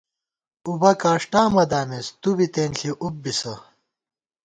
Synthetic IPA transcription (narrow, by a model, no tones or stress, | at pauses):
ubɐkaːʂʈaːmɐd̪aːmest̪ubit̪eːnɬiʔub̚bisɐ